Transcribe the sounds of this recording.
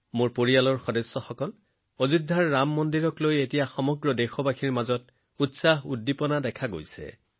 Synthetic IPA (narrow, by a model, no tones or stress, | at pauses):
moɹpoɹialɔɹxɔdesːɔxɔkɔl | ozudʱːaɹːamːɔndiɹɔklojetijaxɔmɔɡɹɔdɛxɔbaxʰiɹmazɔt̚ | utsaɦudːipɔnadɛkʰaɡo̰jsɛ̰